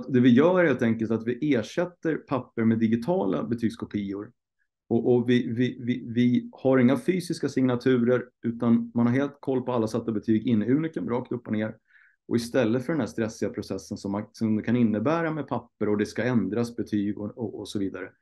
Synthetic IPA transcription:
t̪d̪ɛvɪjœːheːlt̪ʰɛŋkəlt̪at̪vɪʔeːʂɛt̪ːəɾpʰapːəɾmɛd̪ɪɡɪt̪ʰɑːla̰bɛt̪ʰyːɡskʰɔpʰiːʊɾ | ɔʔɔvɪvɪvɪvɪhaɾɪŋːafyːsɪskasɪŋnat̪ʰʉ̟ːɾəɾʉ̟ːt̪anmanhaɾɦeːlt̪̚kʰɔlːpɔalːasat̪ːabɛt̪ʰyːɡɪnːəʉ̟ːnɪkəmɾɑːk̚t̪ɵpːɔneːɾ | ʔɔ̰ɪst̪ɛlːət̪fœɖɛnd̪æːʂt̪ɾɛsːɪɡapʰɾʊsɛsːənsɔmːasɔmd̪ɛkʰanɪnːəbæːɾamɛpʰapːəɾɔd̪ɛskaɛnd̪ɾasbɛt̪ʰyːɡɔɔɔsɔviːd̪aɾə

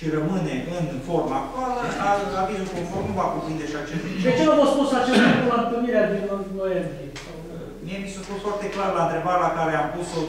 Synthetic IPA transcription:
ʃirəmɨne̞ʔɨnfo̞rmak̚t̪oaləaaviɨŋkonformnuvakupɾind̪eʃiat͡ʃesd̪et͡ʃenomospusat͡ʃesakumamp̪ɨniɾead̪iənnojembɾie | miemisuput̪foart̪e̞klarlaɨnt̪ɾebaɾelakaɾeampuso

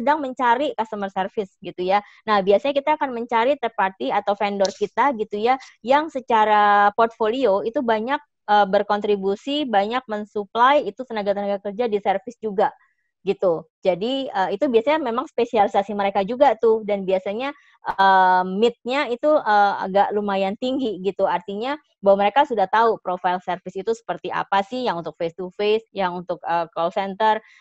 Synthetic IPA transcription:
sədaŋməɲt͡ʃaɾikast̪əmərsərfɪsɡit̪uja | nahbiasaɲakit̪aːkanməɲt͡ʃaɾit̪əpat̪iat̪awfendɔrkit̪aɡit̪ujajaŋsət͡ʃaɾapɔrt̪̚folioit̪ubaɲak̚ | ʔəːbərkɔnt̪ɾibusibaɲak̚mənsuplajit̪ut̪ənaɡat̪ənaɡakərd͡ʒadisərfɪsd͡ʒuɡa | ɡit̪ud͡ʒadiəːit̪ubiasaɲamemaŋspesialisasiməɾekad͡ʒuɡat̪ʊhdanbiasaɲa | ʔəmɪt̪̚ɲait̪uəa̰ɡaʔlumajant̪iŋɡiɡit̪uart̪iɲa | bawaməɾekasudaht̪aupɾofailsərfɪsit̪usə̥pərt̪iʔa̰pasɪhjaŋunt̪ʊk̚fest̪ufesjaŋunt̪ʊk̚əkɔlsɛnt̪ər

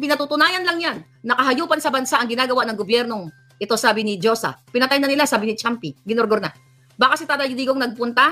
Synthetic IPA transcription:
pɪnɐt̪uːt̪ʊnaːjɐnlɐŋjanːɐkɐɦɐjuːpɐnsɐbɐnsaʔɐŋɡɪnaːɡɐwaʔnɐŋɡobjɛɾno̞ŋ | ʔɪt̪o̞saːbɪnɪd͡ʒo̞sa̰pɪnɐt̪ajnɐnɪlasaːbɪnɪt͡ʃampɪɡɪnoɾɡoɾna | baːkɐsɪt̪ad̪ajliːɡoŋnɐɡ̚pʊnt̪a

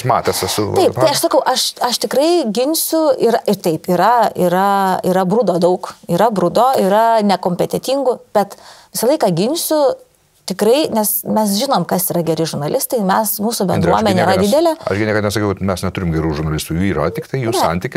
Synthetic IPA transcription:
mɑːt̪ʲɛsɐsʊtɐɪpp̪ɐɪɐʃsɐkɐʊʔɐʃɐʃt̪ʲɪkɾɐɪɡʲɪnʲsʲʊiɾɐʔɪrt̪ɐɪpiɾɐiːɾɐiːɾɐbrʊd̪oːd̪ɐʊkiːɾɐbɾʊd̪oːiɾɐnʲɛkoːmʲpʲɛt̪ʲɛt̪ʲiŋɡʊb̥ʲɛt̪ʋʲɪsɐlˠɐɪkɑːɡʲɪnʲsʲʊ | t̪ʲɪkɾɐɪnʲɛsmʲɛs̬ʒʲɪnoːmkɐsiːɾɐɡʲɛɾʲɪʒʊrnɐlʲɪst̪ɐɪmʲɛsmuːsʊbʲɛnd̪ɾɾuɔmʲɛnʲeiɾɐd̪ʲɪd̪ʲɛlʲɛɐ̰ʃɡʲɪnʲɛɪkɐt̪nʲɛsɐkʲɛʊmʲɛsnʲɛt̪ʊɾʲɪmɡʲɛɾuːʒʊɾnɐlʲɪst̪uːjuːiːɾɐ̰t̪ʲɪkt̪ɐɪjuːɛsɐ̰nʲt̪ʲiːkʲɪ

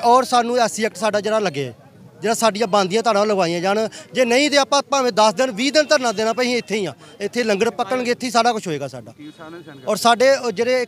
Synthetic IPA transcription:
ɔːɾsaːnũːɛːsiːɛk̚ʈsaːɖaːd͡ʒeːɽaːləɡeːɛ̰ː | d͡ʒeːɽaːsaːɖɪjãːbãːnd̪ɪjãːt̪ʰaːnãːləɡaːijãːd͡ʒaːnd͡ʒeːnəĩːt̪eːaːpãːpãːʋẽːd̪əsd̪ɪnʋiːd̪ɪnt̪əɾnãːd̪eːnãːpəĩːɪt̪ʰːeːiːãː | ɪt̪ʰːeːləŋɡəɽpəkːəɳɡeːɪt̪ʰːeːiːsaːɖaːkʊt͡ʃʰɦoːeːɡaːsaːɖa̰ːɔːɾsaːɖeːd͡ʒeːɽeː

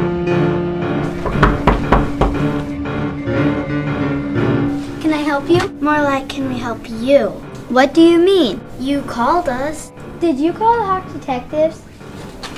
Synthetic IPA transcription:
kʰɨ̃naɪɦɛlˠpjɨmɑɹlaɪkʰɨ̃nwiɦɛlˠpju | wʌt̚d̥ɨjɨmĩn | jɨkʰɔlˠdʌs | d̥ɪd͡ʒɨkʰɔlˠhɑk̚d̥ɨtʰɛk̚tɪvz̥

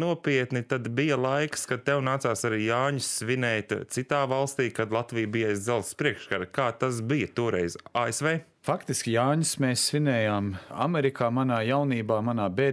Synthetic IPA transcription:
nuɔpiɛt̪nit̪ad̪bijɐlˠajkskad̪̚t̪ɛwnaːt̪aːsaɾiːjaːɲʊsːʋinɛjt̪t̪sit̪aːvalˠst̪iːkad̪lˠat̪vijbijajzd̪zɛlˠspɾiɛkʃkaɾkaːt̪asbijɐt̪uɔɾɛjzaːesveː | fakt̪iskʲijaːɲʊsmeːsːvinɛːjaːma̰mɛɾikaːmanaːjawniːbaːmanaːbeː

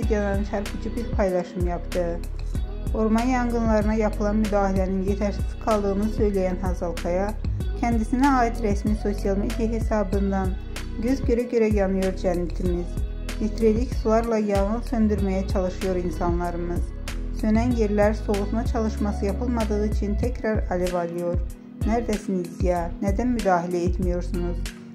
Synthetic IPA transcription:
d̪ijɑd̪ɑnɯnt͡ʃʰæɾkʰɯd͡ʒʰɯbiɾpʰɑjlˠɑʃɯmjɑpt̪ɯɯ | o̞ɾmɑnjɑŋɡɯnlˠɑɾɯnɑjɑpʰɯlˠɑnmyd̪ɑːhilæninjet̪ʰæɾsi̥lkʰɑlˠd̪ɯɣɯnɯsø̞jlæjænɦɑzɑlˠkʰɑjɑcʰænd̪isinæɑːit̪ɾæsmiso̞sijɑlˠmed̪ijaɦesɑbɯnd̪ɑn | ɟø̞zɟø̞ɾæɟø̞ɾæjɑnɯjo̞ɾd͡ʒænːit̪ʰimiz̥ | hit̪ʰɾelʲicsulˠaɾlˠɑjɑnɯlsø̞nd̪yɾmæjæt͡ʃʰɑlˠɯʃɯjo̞ɾinsanlˠɑɾɯmɯz̥ | sø̞nænjeɾlæɾso̞ʁut̪nɑt͡ʃʰɑlˠɯʃmasɯjɑpʰɯlˠmad̪ɯɣɯit͡ʃʰint̪ʰɛcɾɑɾalevalˠɯjo̞ɾ | næɾd̪æsinizijanæd̪ænmyd̪aːɦilʲɛet̪mijo̞ɾsunuz̥

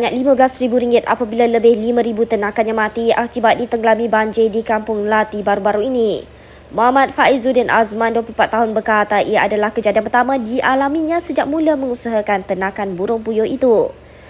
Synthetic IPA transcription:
baɲak̚limãblasɾibuɾiŋɡɪt̪a̰pabilaləbɪhlimãɾibut̪ənãkanɲãmãt̪iakibat̪̚dit̪əŋɡəlamĩbaɲd͡ʒɪdikampʊŋlat̪ibaɾubaɾuini | moɦamat̪̚faizudɛnʔa̰smãnduwəploumpat̪ːaɦʊnbəkat̪aʔijaʔadalahkəd͡ʒadianp̬ərt̪amãdiʔalamiɲãsəd͡ʒak̚mũləmə̃ŋusəɦakant̪ənãkanbuɾʊŋpujoit̪u

